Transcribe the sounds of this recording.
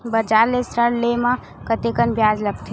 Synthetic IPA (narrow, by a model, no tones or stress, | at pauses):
bəd͡ʒaɾlesɾəɽlemã | kət̪ekənbjad͡ʒləɡt̪ʰe